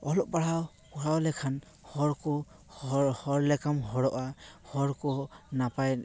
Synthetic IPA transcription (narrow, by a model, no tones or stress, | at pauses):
ɔlɔʔpaɹaw | kɔɹawlɛkʰan | hɔɹkɔ | hhɔɹlɛkamɦɔɹɔʔahɔɹkɔnapaj